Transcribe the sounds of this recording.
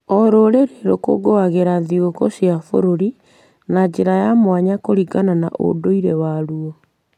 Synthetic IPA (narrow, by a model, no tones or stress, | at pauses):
ɔɾoɾeɾeɾoko̰ɡoaɣeɾaðiokosiafo̰ɾoɾi | nad͡ʑeɾajamwaɲakoɾiɣanana̰ʔo̰doiɾewaɾuɔ